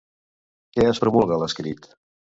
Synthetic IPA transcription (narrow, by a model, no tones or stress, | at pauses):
kɛəspɾumulˠɣələskɾit̪